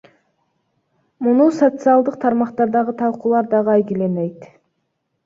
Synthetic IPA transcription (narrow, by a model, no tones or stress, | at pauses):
munusot̪sɨɑlˠd̪ɯq̚t̪ʰɑɾmɑqt̪ɑɾd̪ɑʁɯt̪ʰɑlˠqulˠɑɾd̪ɑʁɯɑjɡilenejt̪